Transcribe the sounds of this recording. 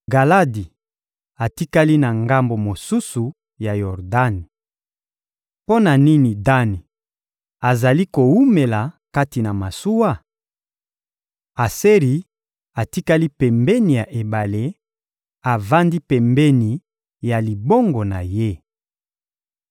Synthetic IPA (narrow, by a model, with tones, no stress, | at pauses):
ɡa˨la˦di˨ | a˨ti˦ka˦li˦na˨ŋɡa˦mbo˨mo˨su˦su˨ | ja˨jɔ˨ʁda˦ni˨ | po˦na˨ni˦ni˨da˦ni˨ | a˨za˨li˦ko˨wu˦me˨la˨ka˦ti˨na˨ma˨su˦wa˦ | a˨se˦ʁi˨ | a˨ti˦ka˦li˦pɛ˨mbɛ˦ni˨ja˨ʔe˨ba˨le˦ | a˨va˦ndi˦pɛ˨mbɛ˦ni˨ | ja˨li˨bo˦ŋɡo˨na˨je˦